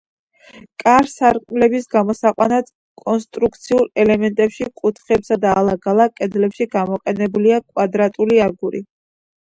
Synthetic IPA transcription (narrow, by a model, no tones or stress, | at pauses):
kʼaɾsaɾkʼmlɛbisɡamɔsaqʼwa̰nad̪ | kʼɔnst̪ʼɾukʰt̪sʰiuɾɛlɛmɛnt̪ʼɛpʃikʼut̪ʰχɛpsad̪aːlˠaɡalˠakʼɛd̪lɛpʃiɡamɔqʼɛnɛbuliakʼwad̪ɾat̪ʼuliaɾɡuɾḭ